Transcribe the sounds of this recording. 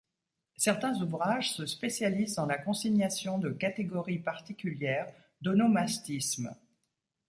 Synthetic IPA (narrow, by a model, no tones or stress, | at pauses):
sɛʁt̪ɛ̃zuvʁaʒsəspesjalizd̪ɑ̃lakɔ̃siɲasjɔ̃d̪əkat̪eɡɔʁipaʁt̪ikʲyljɛʁ | d̪ɔnomast̪ism